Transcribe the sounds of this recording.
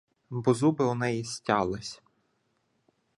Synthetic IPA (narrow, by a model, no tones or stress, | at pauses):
bɔzubɪɔnɛjisʲtʲɑlˠɪsʲ